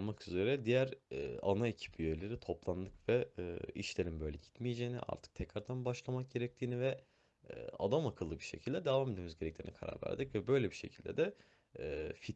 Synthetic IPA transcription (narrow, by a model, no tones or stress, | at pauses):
makyzeɾɛd̪ijæɾa̰naecʰi̥pʰijøjlʲe̞ɾit̪ʰo̞plˠand̪ˠɯkvɛiʃlʲe̞ɾimbø̞jlʲɛɟi̥t̪mijed͡ʒeːnḭʔa̰ɾt̪ʰɯ̥k̚t̪ʰɛcɾaɾd̪ʰanbaʃlˠamak̚ɟ̥e̞ɾɛc̚t̪ʰiːnivɛ̰ | a̰d̪amakʰɯlˠːɯbiɾʃecʰilʲd̪ɛd̪evaːmed̪emizɟeɾɛc̚t̪ʰinḭkʰaɾa̰ɾvæ̰ɾd̪icvɛbø̞jlʲɛbiʃe̞̰cʰilʲd̪ɛ̰d̪ɛ | fi